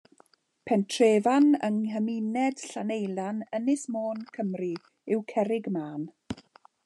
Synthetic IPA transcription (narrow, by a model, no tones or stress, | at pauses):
pʰɛntʰreːvanə̰ŋɦəminɛd̥ɬanejlˠanənɪsmoːnkʰəmri | ɪwkʰɛɾɪɡmaːn